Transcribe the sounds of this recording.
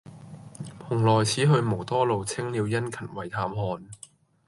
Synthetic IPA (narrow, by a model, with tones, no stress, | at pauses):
pʰʊ˨˩ŋlɔː˨˩jt͡sʰiː˨˥ɦɵ˧ɥmo˨˩wt̪ɔː˥lo˨wt͡sʰɪ˥ŋliː˨˧wjɐ˥nkʰɐ˨˩nwɐ˨˩jt̪ʰaː˨˥mɦɔː˧n